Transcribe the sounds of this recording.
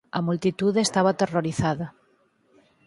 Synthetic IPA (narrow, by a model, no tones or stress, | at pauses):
amult̪it̪uðest̪aβat̪eroɾiθaða